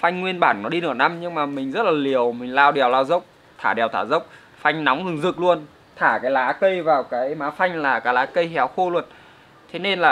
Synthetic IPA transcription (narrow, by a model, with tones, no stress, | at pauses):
fa˧jŋ̟ŋwi˧ənɓaː˧˩nːɔ˨˦ɗi˧nɨː˧˩na˧mɲɨ˧ŋmaː˨˩mï˨˩ŋ̟zə˦˥t̚laː˨˩li˨˩əwmï˨˩ŋ̟laː˧˩wɗɛ˨˩əwlaː˧wzə˦˥wk͡p̚ | t̪ʰaː˧˩ɗɛ˨˩əwt̪ʰaː˧˩zə˦˥wk͡p̚ | fa˧jŋ̟na˨˦wŋ͡mzɨ˨˩ŋzɨ˨˩k̚lu˧ən | t̪ʰaː˧˩kaː˨˦jlaː˨˦kə˧jvaː˨˩wkaː˨˦jmaː˨˦fa˧jŋ̟laː˨˩kaː˨˦jlaː˨˦kə˧jɦɛ˨˦wxo˧lwə˨˩t̚ | t̪ʰe˨˦ne˧nlaː˨˩